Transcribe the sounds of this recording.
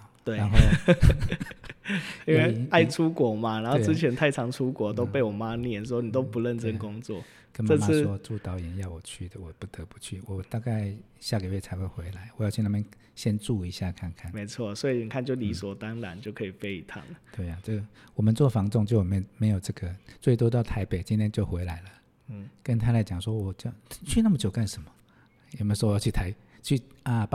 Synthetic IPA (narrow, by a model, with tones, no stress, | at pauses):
t̪we˥˩ɪa˨˦nxo˥˧ʊ | i˥nwe˥˧ɪa˥˩ɪʈ͡ʂʰu˦kwɔ˨˩˦ma˨ɻa˨˦nxo˥˧t͡sɹ̩˥˦t͡ɕʰjɛ˧˦˥nt̪ʰa˥˩ɪʈ͡ʂʰɑ˧˦˥ŋʈ͡ʂʰu˦˥kwɔ˨˥t̪o˥ʊpe˥˩ɪwɔ˨˩ma˦njɛ˥˩ns̬wɔ˥ni˨˩t̪̬o˥ʊpu˨˧˦lə˥˨nt͡sə˥nkʊ˦˥ŋt͡swɔ̰˥˨ | kə˦nmə˥˧ma˥swɔ˦t͡su˥˨˩t̪ɑ˨˥ʊjɛ˨˦njɑ˥˩ʊwɔ˨˩t͡ɕʰy˥˩d̪ə˩wɔ˨˩pu˥˩t̪ə˨˦pu̥˨˦t͡ɕʰy˥˩wɔ˨˩t̪a˥˧ka˥˩ɪ | ɕja˥˩kə˨˩we˥˩ɪt͡sʰa˧˥ɪxwe˥˩xwe˧˦ɪla˨˦ɪwɔ˨jt͡ɕʰi˥˧na˥˩mjɛ˥˧n | ɕjɛ˥nʈ͡ʂu˥˩i˧˥ɕja˥˧kʰa˥˧˨nkʰa˥˨nme˧˥ɪt͡sʰwɔ˥˩swɔ˧˥i˨˩ni˨˩kʰa˥˨nt͡ɕjo˥˩ʊli˧˥swɔ˨˩t̪ɑ˥ŋɻa˧˦nt͡ɕjo˥˩ʊkʰɤ˧i˨˩fe˥ɪi˨˩t̪ʰɑ̰˨˦ŋə˦t̪we˥˩ɪa˩ʈ͡ʂə˥˩wɔ˨˩mə˦nt͡swɔ˥˩fɑ˧˥ŋt͡sʊ˥˧ŋt͡ɕjo˥˩ʊjm˥me˧˥ɪjo˨˩ʊʈ͡ʂɤ˥˩ɡə˩t͡swe˥˩ɪt̪wɔ˥t̪ɑ˥˩ʊt̪ʰa˧˥ɪpe˨˩ɪt͡ɕi˥nt̪ʰjɛ˥nt͡ɕjo˥˩ʊxwe˧˥ɪla˧˥ɪlə˨˥˩ | kə˧˦nt̪ʰa˥la˧˥ɪt͡ɕjɑ˨˩ŋʂwɔ˦wɔ˨˩t͡ɕjo˥˩ʊt͡ɕʰy˥˧na˥˩mə˨˩t͡ɕjo˨˩ʊka˥˩nʂə˧˥nmɐ̥˨ | jm˧˥sɔ˥˧˨jt͡ɕʰy˥˩t̪ʰa˧˥ɪ | t͡ɕʰy˥˩a˨˩p